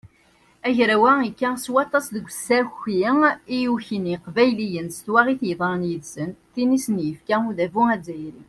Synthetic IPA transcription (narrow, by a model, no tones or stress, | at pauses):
æʝɾæwæikːæswɑt̪ˤːɑsðəɡʷːsæçiijuçiniqvæjlijənst̪wæʁiθjðˤɑɾˤnjəðsənθinisənjəfkæuðævuæd͡zæjɾḭ